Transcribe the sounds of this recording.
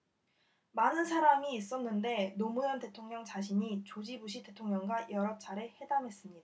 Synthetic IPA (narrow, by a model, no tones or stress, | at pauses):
manɯnsʰaɾamiːs͈ʌnːɯnde̞nomujʌnte̞tʰoŋɲʌŋt͡ɕaɕ̬ʰiɲit͡ɕod͡ʑibuɕ̬ʰite̞tʰoŋɲʌŋɡwajʌɾʌp̚t͡ɕ͈ʰaɾehe̞damɦe̞s͈ɯmɲid̥a